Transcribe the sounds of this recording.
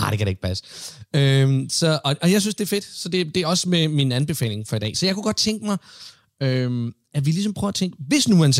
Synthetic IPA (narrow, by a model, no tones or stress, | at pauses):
hɑ̈d̥ekʰæɾee̝ɡ̥̚pʰæsə̥ømsɒ̽ʔɒ̽ɒ̽jaɪs̬ynsd̥e̝æɐfe̝d̥sɒ̽d̥e̝d̥e̝ɒ̽smeminænb̥e̝fɛ̰ːle̝ŋfɒ̽idɛ̰ːsɒ̽jɑ̈kʰuɡ̥ɒ̽d̥̚t͡sʰeŋɡ̥əmɑ̈ɪ | øm | æʋilis̬ɒ̽mpʰʁœːʊæt͡sʰeŋɡ̥əʋe̝snuhæns